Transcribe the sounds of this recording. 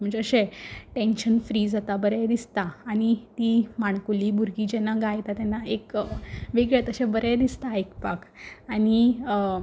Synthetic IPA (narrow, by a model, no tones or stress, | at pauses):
m̤ə̃ɳd͡zeəɕeʈẽnɕənfɾiːd͡zat̪abəɾɛd̪ist̪aaɽ̃it̪iːmaɳkuliːbuɾɡid͡ʑɛnːaɡajt̪at̪ɛnːaekʋeɡɭjat̪əɕebəɾɛd̪ist̪aekpakaɽ̃i